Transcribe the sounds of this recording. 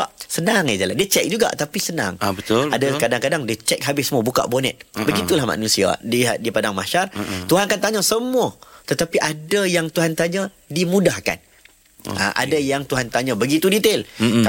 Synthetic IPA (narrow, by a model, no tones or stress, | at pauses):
asənaŋɛd͡ʒalandiət͡ʃɛk̚d͡ʒuɡa̰ʔt̪apisəna̰ŋbət̪adakadaŋkadaŋdiət͡ʃɛk̚ɦabɪsəmuabuka̰ʔbonɛ̰t̪̚bəɡit̪ulahma̰nũsia̰diɦaʔ̚dipadaŋmaʃart̪uɦankant̪aɲãsəmuat̪ət̪apiʔadajaŋt̪uɦant̪aɲã | dimũdahka̰n | a̰ʔa̰dajaŋt̪uɦant̪aɲãbəɡit̪udit̪el